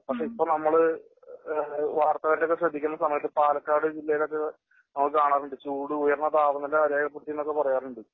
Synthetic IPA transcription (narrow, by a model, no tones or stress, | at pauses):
pɐkʂe̞ipːo̞ːnɐmːɐɭɨ | ʋaːrt̪ɐɣɐɾilo̞kːeɕrɐd̪ʱikʲːunːɐsɐmɐjɐt̪ːɨpaːlɐkːaːɽɨd͡ʑilːɐjilo̞kːe | nɐmːɐɭkːɨkaːɳaːruɳɖɨt͡ɕuːɽɨujɐrnːɐt̪aːʋɐnːɐlːeɐɾeːɡɐɭɐpːeɽt̪ijɐnːokːe̞pɐrɐjaːruɳɖɨ